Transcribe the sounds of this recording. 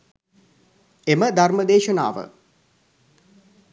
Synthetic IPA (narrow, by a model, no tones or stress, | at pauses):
eməd̪ʱarməd̪eːʃəna̰ːʋə̰